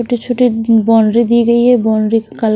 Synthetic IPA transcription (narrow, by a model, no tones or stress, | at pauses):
oʈit͡ɕʰoʈibɔnɾid̪ieɡejebɔnɾikal